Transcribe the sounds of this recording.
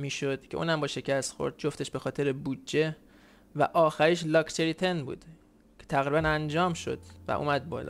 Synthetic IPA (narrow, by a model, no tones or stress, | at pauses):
miːʃod̪̥kcʰeṵːnæmbɒːʃe̞cʰæst̪xo̞̰ɾd̪̚d͡ʒoft̪e̞ʃbe̞xɒːt̪ʰe̞ɾebud̪d͡ʒe̞ | væ̰ʔɒːxæɾiʃlɒkʰt̪ʰeɾit̪ʰenbṵːd̪̥ | cʰe̥t̪ʰæɣɾibænænd͡ʒɒːmʃo̞̰d̪̥væ̰ʔṵːmæd̪̚bɒ̰ːlɒ̰